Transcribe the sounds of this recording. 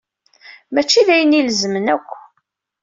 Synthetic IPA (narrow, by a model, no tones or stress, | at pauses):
mæt͡ʃːiðæjəniləzmənækʷː